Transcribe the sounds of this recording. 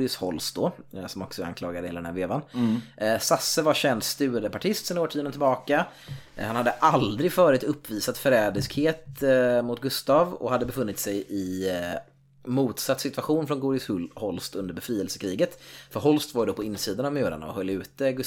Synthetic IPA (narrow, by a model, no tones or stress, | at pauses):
ɪshɔlst̪̚d̪ɔsɔmɔksɔa̰nkʰlɑːɡad̪əheːld̪ɛnæɾveːvan | sasːəvaɾɕɛnd̪st̪ʉ̟ːad̪əpaʈʰɪst̪sɛnɪoːʈʰiːɔd̪ənɪlbɑːkahanhad̪ːəʔald̪ɾɪɡfœːɾɪt̪ɵpːviːsat̪fœɾɛːd̪əskheːt̪mʊt̪ɡɵst̪ɑvɔ̰had̪ːəbɛfɵnːɪt̪sɛjʔɪ | muːt̪sat̪ːsɪt̪vaɧuːnfɾɔnɡuːɾɪshɔlst̪ɵnd̪əɾbɛfɾiːɛlsə̥kʰɾiːɡət̪fœɾɦɔlst̪vaɾjəd̪ɔpʰɔɪnːsiːd̪anavmøːɾa̰na̰ɔ̰hœlːʉ̟ːt̪əɡ